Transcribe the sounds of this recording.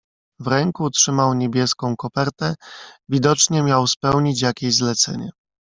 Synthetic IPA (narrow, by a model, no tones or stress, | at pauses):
vɾɛŋkuːtʂɘmawɲebʲjɛskɔ̃w̃kɔpɛɾt̪ɛvʲid̪ɔt͡ʂɲɛmʲjawspɛwɲit͡ɕjakʲeɕzlɛt̪sɛ̰ɲɛ̰